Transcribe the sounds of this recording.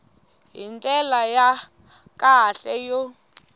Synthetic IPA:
ɦint͡ɬʼɛlaja | kʼaɬɛjɔ

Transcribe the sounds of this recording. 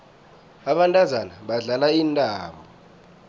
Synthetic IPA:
aɓantʼazanaɓaɮalaintʼaːmbʱɔ

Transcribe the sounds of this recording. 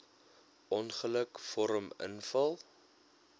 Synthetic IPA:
ʔɔnχələkfɔɾəmə̰nfɐlˠ

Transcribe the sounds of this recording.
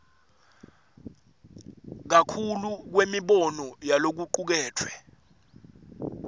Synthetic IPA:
k̬akʰuluk̬wemiɓɔnɔjalok̬uǃuk̬ɛːtʰwɛ

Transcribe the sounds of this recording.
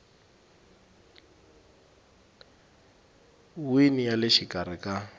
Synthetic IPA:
winijalɪʃikʼaɾɪkʼa

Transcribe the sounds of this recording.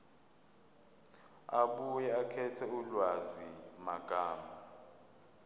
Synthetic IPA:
aɓujɛakʰɛtʰɛulwazimaɡ̥ʱaːma

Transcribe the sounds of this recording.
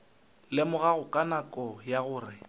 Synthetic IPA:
lɪmʊɣaɣʊkʼanakʼɔjaɣʊːrɪ

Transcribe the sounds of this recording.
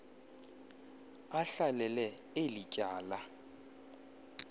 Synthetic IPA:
aɬalɛlɛ | ɪlɪcʼaːla

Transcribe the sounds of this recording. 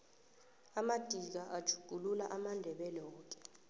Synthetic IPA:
amad̥ʱik̬aʔad̥ʒ̥ʱu̥ɡ̥ʱululaʔamandʱɛɓɛlɛoːkʼɛ̥

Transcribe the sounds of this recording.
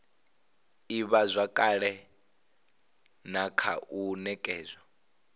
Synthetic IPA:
iβazʷakʼaɺɛ | nakʰa̰unɛkʼɛːzʷa

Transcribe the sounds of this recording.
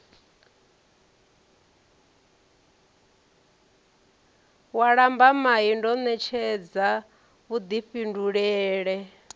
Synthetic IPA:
waɺambamaɦindɔnɛt͡ʃʰɛd͡za | βud̪iɸinduɺɛːɺɛ

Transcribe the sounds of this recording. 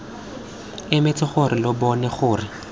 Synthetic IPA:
ɪmɪt͡sʰʊχʊrɪlɔbɔnɛχʊːrɪ

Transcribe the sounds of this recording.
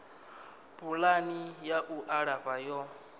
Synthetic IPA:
bulanijaʔuʔaɺaɸajɔ

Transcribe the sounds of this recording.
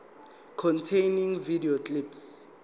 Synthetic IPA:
kʰɔntʰejniŋvidiotlips

